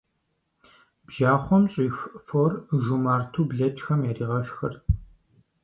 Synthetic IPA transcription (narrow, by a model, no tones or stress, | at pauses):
bʒaːχʷɔmɕʼiːxforʒumaːrtʰuːbɮɐt͡ʃʼxɐmjɛriːʁɐʃxɐr